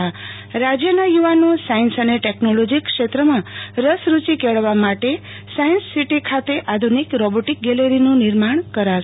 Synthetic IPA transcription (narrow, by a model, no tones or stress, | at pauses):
ɾad͡ʒjənajuʋanũsainsəneʈeknolod͡ʒikʃet̪ɾəmãɾəsɾut͡ʃikeɭʋamaʈe | sajənsːiʈikʰat̪eʔad̪ʱunikɾɔboʈik̚ɡɛleɾinũnɪɾmaɳkəɾa